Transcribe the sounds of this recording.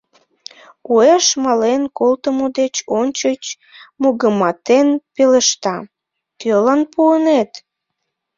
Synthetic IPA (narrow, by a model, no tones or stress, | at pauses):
ueʃmɑlenkolt̪əmod̪et͡ɕonʲt͡ɕət͡ɕ | moɣəmɑt̪enpeləʃt̪ɑ | kølɑnpuənet̪